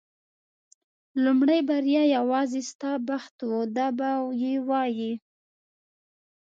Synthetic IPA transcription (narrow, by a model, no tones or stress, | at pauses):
lumɽajbaɾjɑjawɑzest̪ɑbaxt̪wud̪ɑbawjewɑji